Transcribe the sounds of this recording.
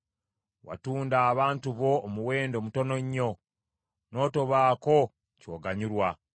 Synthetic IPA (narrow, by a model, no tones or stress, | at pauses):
wa̰tuːndaːβaːntuβo̞ːmuwe̞ːndo̞ːmuto̞no̞ɲːo̞ | no̞ːto̞βaːko̞ | coːɡaɲuɾwa